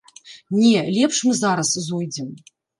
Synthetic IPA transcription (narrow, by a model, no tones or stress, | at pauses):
nʲɛlʲɛpʂmɨzaɾɐszujd͡zʲɛm